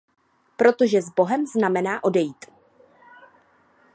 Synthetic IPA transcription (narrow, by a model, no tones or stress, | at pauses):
pɾo̞t̪o̞ʒɛzbo̞ɦɛmznamɛnaːʔo̞dɛjiːt̪